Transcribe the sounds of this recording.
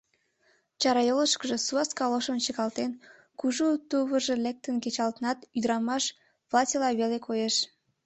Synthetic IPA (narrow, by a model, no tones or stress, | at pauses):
t͡ɕɑɾɑjoləʃkəʒe̽suɑskɑloʃənt͡ɕəɣɑlt̪en | kuʒut̪uβəʒelek̚t̪ənket͡ɕɑlt̪ənɑt̪yd̪əɾɑmɑʃ | βlˠɑtʲilɑβelekʰojeʃ